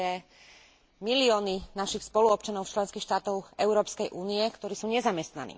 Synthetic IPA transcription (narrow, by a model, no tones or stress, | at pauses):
ɛ | miliɔːninaʃixspɔluɔp̚t͡ʃanɔʊt͡ʃlɛnskiːxʃt̪aːt̪ɔʊɛʊɾɔːpskɛjʔuːniɛkt̪ɔɾiːsuːɲɛzamɛst̪na̰nḭː